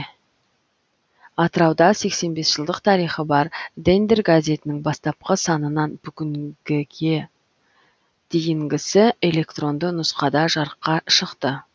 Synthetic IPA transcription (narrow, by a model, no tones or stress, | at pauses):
ɑt̪əɾɑwd̪ɑse̞kse̞nbe̞sʒ̥əlˠd̪əqt̪ʰɑɾijχəbɑɾd̪end̪erɡazʲe̞t̪ɪnɪŋbɑst̪ɑp̚qəsɑnənɑnbʏɡʲɪŋɡʲɪɡʲe̞ | d̪̥ejɪŋɡʲɪsɪe̞lʲe̞kt̪ro̞nd̪ənʊsqɑd̪ɑʒɑɾəqːɑʃəqt̪ə